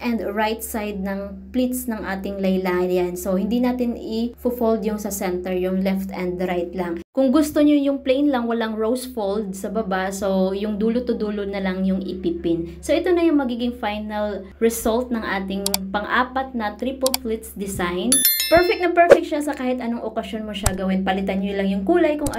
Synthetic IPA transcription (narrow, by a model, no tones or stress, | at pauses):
ʔɛnd̪ɹajt̪̚sajd̪̚nɐŋplit̪snɐŋʔa̰ːt̪ɪŋlɐjlaːjɐnso̞hɪnd̪inaːt̪ɪnɪfʊfold̪jʊŋsɐsɛnt̪ɛɹjʊŋlɛft̪ɛnd̪ɾajt̪lɐŋkʊŋɡʊst̪oɲojʊŋplɛjnlɐŋwɐlaŋɹowsfold̪̚sɐbɐbaso̞jʊŋd̪uːlʊt̪ːʊd̪uːlʊnɐlɐŋjʊŋʔɪpiːpɪnso̞ʔɛt̪o̞nɐjʊŋmɐɡiːɡɪŋfajnɐl | ɹɛsolt̪̚nɐŋʔaːt̪ɪŋpɐŋʔaːpɐt̪̚nɐt̪ɾipɐlflɪt̪sd̪ɪsajnpɛɹfɛk̚nɐpɛɹfɛk̪̚ʃasɐkaːhɪt̪ʔɐnoŋʔokɐsjonmoʃaɡɐwɪnpɐlɪt̪anɲolɐŋjʊŋkuːlɐjkʊŋɐ